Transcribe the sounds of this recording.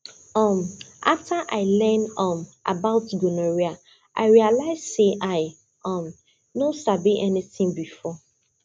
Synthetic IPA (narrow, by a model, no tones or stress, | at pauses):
ɔ̃mʔa̰ftʰaʔaɪlɛ̃nɔ̃mʔa̰baʊtɡunoɹia | ʔa̰ɪɹialaɪz̥seʔaɪ | ɔ̃m | nosabiʔɛnitĩŋbifɔ